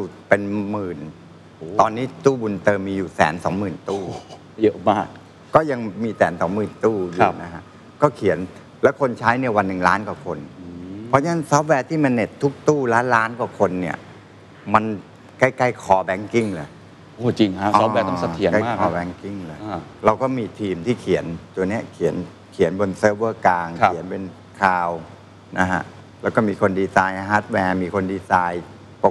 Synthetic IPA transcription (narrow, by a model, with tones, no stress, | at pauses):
u˥˩pe˧nmɯː˨˩nː˧ | t̪ɔː˧nːiː˦˥˩t̪uː˥˩bu˧nt̪ɤː˧miː˧juː˨˩sɛ̰ː˩˦nsɔ̰ː˩˦ŋmɯː˨˩nt̪uː˥˩˧ | jɤ˦˥maː˥˩k̚ | kɔː˥˩ja˧ŋmiː˧sɛ̰ː˩˦nsɔ̰˩˦ŋmɯː˨˩nt̪uː˥˩ju˨˧˩na˦˥kʰa˦˥ʔ | kɔː˥˩kʰi˨˩˦ən | lɛː˦˥wkʰo˧nt͡ɕʰaː˦˥jni˥˩ɐwa˧nːɯ˨˩ŋlaː˦˥nka˨˩kʰo˧npʰɔ˦˥t͡ɕa˦a˥˩ŋsɔː˦˥p̚wɛː˧t̪ʰiː˥˩ma˧nːe˨˩t̪ʰːu˦˥k̚t̪uː˥˩laː˦˥nlaː˦˥nkwaː˨˩kʰo˧nːi˥˩ɐ | ma˧n | ka˥˩jka˥˩jkʰɔː˨˩bɛː˧ŋki˥˩ŋlɤː˨˩j | ʔoː˧˩t͡ɕi˧ŋha˦˥ʔsɔː˦˥˧wɛː˧ɔ˥˩sa˧i˨˩˦ka˥˩ma˥kʰɔː˨˩bɛː˧ŋki˥˩ŋlɤː˨˩˧ɾa˧wkɔː˥˩miː˧t̪ʰiː˧mt̪ʰiː˥˩kʰi˩˦ənt̪u˧ɐni˦˥˩ɐkʰi˨˩˦ən | kʰi˨˩˦ənbo˧nsɤː˦˥wɤː˥˩klaː˧ŋʰ˧˩i˩˦ənpe˧n | kʰaː˧w | na˦˥kʰa̰˦˥ʔ | lɛː˦˥˩wkɔː˥˩miː˧kʰo˧ndiː˧saː˧jʔɦaː˦˥t̪̚wɛː˧miː˧kʰo˧ndiː˧saː˧j | po˨˩